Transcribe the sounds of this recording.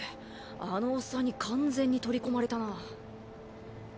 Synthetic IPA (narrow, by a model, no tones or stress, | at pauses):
ano̞ːsːaɲ̟ːikʰãnd͡zẽ̞ɲ̟ːit̪o̞ɾʲiko̞maɾe̞t̪ana